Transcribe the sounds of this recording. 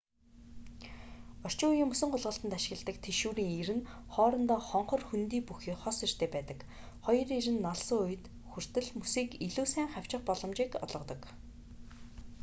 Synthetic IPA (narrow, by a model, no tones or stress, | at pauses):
ɔr̥t͡ɕʊːujɪ̆ːmusɵ̆ɴɢʊɮʁə̆ɬt̪ə̆nt̪aʃɪ̆ɣə̆ɮt̪ə̆kt̪ʰeʃuːɾiːŋiɾɘ̆n | χɔːɾɞ̆nt̪ɔːχɔɴχɞ̆rxunt̪iːpuxiːχɔsir̥t̪ʰeːpæːt̪ə̆k | χɔjɞ̆riɾɘ̆nːaɮsʊːʊj̆t̪ | xur̥t̪ɘ̆ɮmusiːkiɮuːsæːŋχaw̥ʲt͡ɕɪ̆χpɔɮɞ̆mt͡ɕiːkɔ̰ɮʁɞ̆t̪ɞ̆k